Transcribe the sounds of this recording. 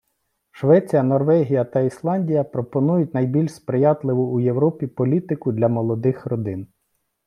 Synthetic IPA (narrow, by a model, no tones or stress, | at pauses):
ʃʋɛt͡sʲijɐnɔrʋɛɦʲijɐt̪ɐislˠɑnʲdʲijɐpɾɔpɔnujʊtʲnɐjbʲilʲʃspɾɪjɑt̪lˠɪʋʊuje̞wɾɔpʲipɔlʲit̪ɪkʊd̪ʲlʲɐmɔlˠɔd̪ɪxrɔd̪ɪn